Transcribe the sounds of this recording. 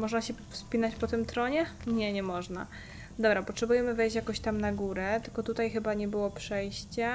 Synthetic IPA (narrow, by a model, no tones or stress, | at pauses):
mɔʐnaɕɛfspʲinat͡ɕpɔt̪ɘmt̪ɾɔɲɛɲɛɲɛmɔʐna | d̪ɔbɾapɔtʂɛbujɛmɘvɛjɕt͡ɕjakɔ̃ɕt̪amnaɡuɾɛt̪ɘ̥lkɔt̪ut̪ajxɘbaɲɛbɘwɔpʂɛjɕt͡ɕɛ